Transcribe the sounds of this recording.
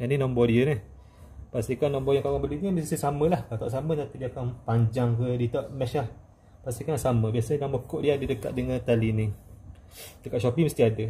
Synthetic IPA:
janinɔ̃mbɔdiənih | past̪ikanːɔ̃mbɔjãŋkawaŋbəludiəmissisaməlahkat̪ɔ̰ʔs̬amət̪ap̪idiakanpaɲd͡ʒaŋkədit̪ɔʔmɛʃlah | past̪ikansaməbiasədaŋbəkoʔdiadidəka̰t̪̚dəŋant̪alini | dəkat̪ʃopiməst̪iadə

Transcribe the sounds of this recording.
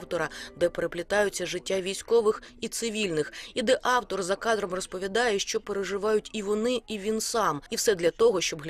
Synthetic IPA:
wt̪ɔɾɐd̪ɛpeɾeplʲɪt̪ɑjʊt͡sʲːɐʒɪtʲːaʋʲijsʲkɔʋɪxit̪sɪʋʲilʲnɪxid̪ɛʔɑwt̪ɔrzɐkɑd̪ɾɔmrɔspɔʋʲid̪ɑjɛʃt͡ʃɔpeɾeʐɪʋɑjʊtʲiʋɔnɪiʋʲinsɑmiwsɛd̪lʲɐt̪ɔɦɔʃt͡ʃɔbɦlʲ

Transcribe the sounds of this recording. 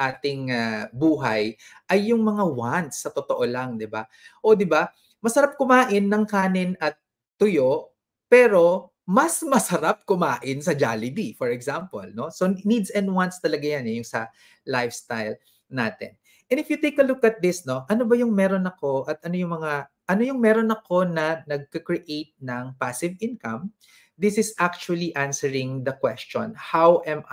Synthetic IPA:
ʔaːt̪ɪŋabuːɦɐjʔɐjːʊŋmɐŋawant̪sːɐt̪ot̪oʔolɐŋd̪ɪba | ʔo̞d̪ɪba | mɐsɐɾap̚kʊmaːʔɪnːɐŋkaːnɪnɐt̪ː | ʊjo̞ʔ | pɛːɾo̞ | mɐsmɐsɐɾap̚kʊmaːʔɪnsɐd͡ʒalɪd̪ifɔɹɛksampo̰lno̞so̞nid̪sɛnd̪̚want̪st̪ɐlɐɡajanɛjʊŋsɐ | lajfst̪ajl | na̰ːt̪ɛ̰n | ʔɛ̃nɪfjʊt̪ejkːɐlʊkɐt̪̚d̪ɪsno̞ʔɐno̞bɐjʊŋmɛɾo̞nɐko̞ʔɐt̪̚ɐno̞jʊŋmɐŋa | ʔɐno̞jʊŋmɛɾonɐko̞nɐnɐɡ̚kɐkɹiʔejt̪̚nɐŋpasɪvʔɪ̃nkɐm | d̪ɪsɪsʔak̚t͡ʃuɐliʔansɛɹɪŋd̪ɐkwɛst͡ʃɔ̰̃nhawʔɛm

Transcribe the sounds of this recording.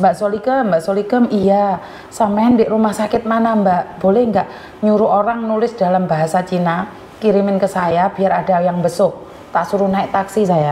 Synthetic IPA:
mbaʔsolikəmbaʔsolikəmija | sampaandɪʔrumahsakɪt̪̚manambaʔb̥olɛhŋɡaʔ | ɲuɾuʔoɾaŋnulɪsd̥alambaɦasat͡ʃina | kiɾimɪnkəsajab̥i̤aɾada̤jaŋbəsʊh | t̪asuɾunaɪʔ̚t̪aksisaja

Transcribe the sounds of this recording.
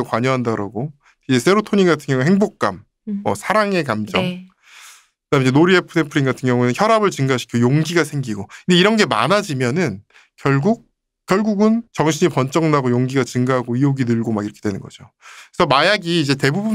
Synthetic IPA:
akwaɲʌɦandaɾa̰ɡo | id͡ʑe̞sʰe̞ɾotʰoɲinɡatʰɯŋjʌŋuheŋbok̚k͈a̰mː | ʌ̰sʰaɾaŋe̞kamd͡ʑʌŋ | kɯdamnid͡ʑenoɾiepʰɯnempʰɯɾinɡatʰɯŋjʌŋunɯnçjʌɾabɯɭt͡ɕɯŋɡaɕʰi̥kʰjojoŋɡiɡasʰe̞ŋɡiɡoinde̞iɾʌnɡe̞ma̰nad͡ʑimjʌnɯn | kjʌɭɡuk̚ | k͈jʌɭɡuɡɯnt͡ɕʌŋɕʰiɲipʌnt͡ɕ͈ʌŋnaɡojoŋɡiɡat͡ɕɯŋɡaɦaɡoioɡinɯɭɡomakiɾʌkʰe̞d̥we̞nɯnɡʌd͡ʑo | esʰʌmajaɡiːd͡ʑe̞te̞bubu

